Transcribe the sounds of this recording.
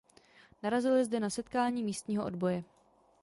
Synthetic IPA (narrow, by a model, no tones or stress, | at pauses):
naɾazɪlɪzdɛnasɛt̪kaːɲiːmiːst̪ɲiːɦoʔodbo̞jɛ